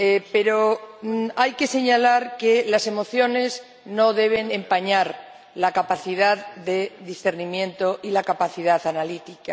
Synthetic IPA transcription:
epe̞ɾo | ajke̞se̞ɲalaɾkelase̞mo̞θjo̞ne̞z | no̞ðe̞β̞e̞nẽ̞mpaɲaɾ | lakapaθiðaððe̞ðisθe̞ɾnimjẽ̞nt̪o̞ʔilakapaθiðaθanalit̪ika

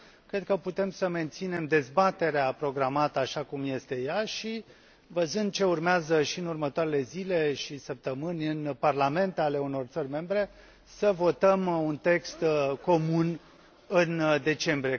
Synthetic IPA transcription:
kɾe̞d̪̚kəput̪e̞msəme̞nt̪sine̞md̪e̞zbat̪e̞ɾeapɾo̞ɡɾamat̪əaʃakumje̞st̪e̞jaʃi | vəzɨnd̪̚t͡ʃe̞urmeazəʃiɨnurmət̪oaɾe̞le̞zile̞ʃisəp̚t̪əmɨnʲɨnparlame̞nt̪ale̞uno̞rt̪sərʲme̞mbɾe̞ | səvo̞t̪əmunt̪e̞kst̪ko̞mun | ɨnd̪e̞t͡ʃe̞mbɾie

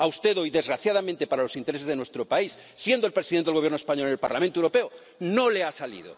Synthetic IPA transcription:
aust̪e̞ðo̞jðe̞zɣɾaθjaðamẽnt̪epaɾalo̞sint̪eese̞zðenwest̪ɾo̞paisːje̞nd̪olpɾesiðent̪eɣjeɾnoespaɲo̞linelpa̰ɾla̰mẽnt̪oewɾo̞pe̞o | no̞leasalḭðo̰

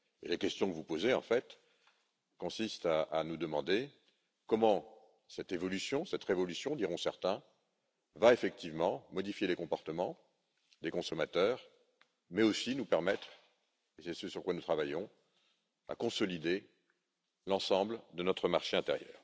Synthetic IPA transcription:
ḛlekʲɛst̪jɔ̃kəvupozeɑ̃fɛt̪ | kɔ̃sist̪aʔːnud̪əmɑ̃d̪e | kɔmɑ̃ | sɛt̪evɔlysjɔ̃sɛt̪ʁevɔlysjɔ̃d̪iʁɔ̃sɛʁt̪ɛ̃ | vaefɛk̚t̪ivmɑ̃mɔd̪ifjelekɔ̃pɔʁt̪əmɑ̃ | d̪ekɔ̃sɔmat̪œːʁ | mɛosinupɛʁmɛt̪χ | esɛsøsyʁkwanut̪χavajɔ̃ | a̰kɔ̃sɔlid̪e | lɑ̃sɑ̃bld̪ənɔt̪χəmaʁʃeɛ̃t̪eʁjœ̰ːʁ

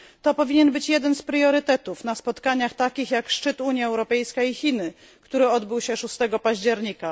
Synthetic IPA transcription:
t̪ɔpɔvʲiɲɛnbɘt͡ɕjɛd̪ɛnspɾjɔɾɘt̪ɛt̪ufnaspɔt̪kaɲaxt̪akʲixjakʂt͡ʂɘt̪uɲjaɛwɾɔpɛjskaixʲinɘ | kt̪uɾɘɔd̪bɘwɕɛʂust̪ɛɡɔpaʑd͡ʑɛɾɲika

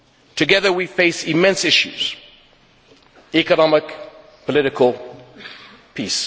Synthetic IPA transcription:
tʰəɡɛðəwifeɪsɪmɛ̃nsɪʃjṵz̥ | ikənɑmɪk | pʰəlɪɾɪkʰəlˠ | pʰis

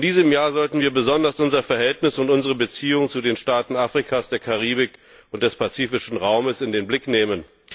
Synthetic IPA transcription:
ɪndiːzəmjaːɐzɔltn̩viːɐbəzɔndɐsʔʊnzɐfɛɐɦɛltnɪsʊntʔʊnzəʁ̞əbət͡siːʊŋt͡sudeːnʃtaːtn̩aːfʁ̥ikʰasd̥eːɐkʰaʁ̞iːbɪk | ʊnt̚d̥ɛspat͡siːfɪʃn̩ʁaʊməsɪndeːnblɪkneːmən

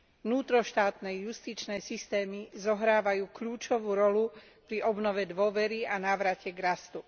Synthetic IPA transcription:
nuːt̪ɾɔʃt̪aːt̪nɛjust̪iːt͡ʃnɛːsist̪ɛːmizɔɦɾaːʋajuːkʎuːt͡ʃɔʋuːɾɔlu | pɾiʔɔbnɔʋɛd̪ʋɔʋɛɾianaːʋɾacɛɡɾast̪u

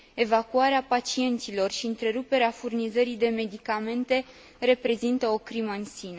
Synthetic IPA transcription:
e̞vakuaɾeapat͡ʃie̞nt̪silo̞rʃiɨnt̪ɾe̞ɾupe̞ɾeafurnizəɾid̪e̞me̞d̪ikame̞nt̪e̞ | ɾe̞pɾe̞zint̪əo̞kɾiməɨnsinə

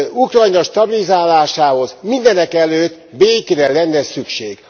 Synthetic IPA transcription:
ukrɒjnɒʃt̪ɒbilizaːlaːʃaːho̞zmind̪ɛnɛkɛløːt̪ː | beːkɾɛlɛnːɛsykʃeːɡ̥

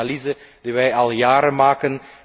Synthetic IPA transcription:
alizəd̥iʋɛjɑlˠjaːɾəmaːkən

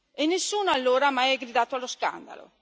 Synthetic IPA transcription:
enːesːuːnoalːoːɾaamajɛɡɾid̪aːt̪oalːoska̰nd̪a̰lo̰

